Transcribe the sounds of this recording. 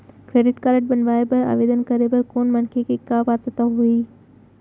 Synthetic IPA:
kɾeːɖɪʈkaːɾɪʈ̚bɐnʋaːebɐɾɐ̰ʋeːd̪ənkɐɾebɐɾkoːnmɐnkʰekʰekaːʋaːt̪ət̪aɦuiː

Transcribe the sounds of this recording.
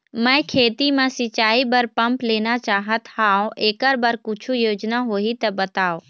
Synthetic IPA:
mə̃ẽkʰeːt̪imãsɪt͡ʃaːibəɾpɐ̃mpleːnat͡ʃaːɦət̪haːõʔeːkəɾbəɾkʊt͡ʃʰujoːd͡ʒnaɦoːit̪ɐbɐt̪aːo

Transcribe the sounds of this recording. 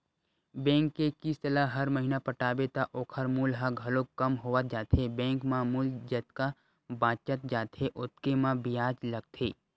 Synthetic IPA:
bẽːŋkːekist̪əlaɦɐɾməɦiːnapɐʈaːbet̪aʔoːkʰəɾmuːlɦaɡʱɐlokːɐmɦoʋət̪̚d͡ʒaːt̪ʰebẽːŋkmãmuːld͡ʒɐt̪ka | bãːt͡ʃət̪̚d͡ʒaːt̪ʰeʔʊt̪kemãbɪjaːd͡ʒlɐɡ̚t̪ʰeː

